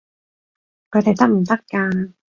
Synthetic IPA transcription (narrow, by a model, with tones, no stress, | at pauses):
kʰɵ˨˧jt̪a˨˩jt̪ɐ˥k̚m̩˨˩t̪ɐ˥kkːaː˧n